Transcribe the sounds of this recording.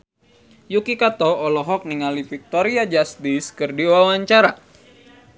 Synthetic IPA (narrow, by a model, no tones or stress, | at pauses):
jukikat̪ɔːlɔɦɔk̚niŋalifik̚t̪ɔɾiad͡ʒast̪iskɨrdiwawaɲt͡ʃaɾa